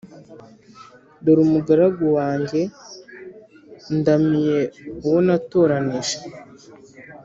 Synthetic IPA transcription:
doɾumuɡaɾaɡowaːɲɟe̞ | ndamijeuwonato̞ːɾaniʃe̥

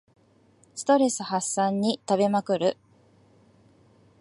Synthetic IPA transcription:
sɨ̥t̪o̞ɾe̞sɨhasːãɲ̟ːit̪aβe̞makɯ̟ɾɯ̟

